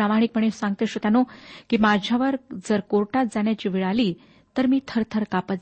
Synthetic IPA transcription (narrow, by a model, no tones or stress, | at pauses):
amaɽ̃ik̚məɳ̃esãŋɡ̚t̪eɕot̪anokiːmad͡ʑʱjaʋəɾd͡zəɾkoɾʈat̪̚d͡zaɳ̃jat͡ɕiːʋiɭaliː | t̪əɾmiːt̪ʰəɾt̪ʰəɾkapə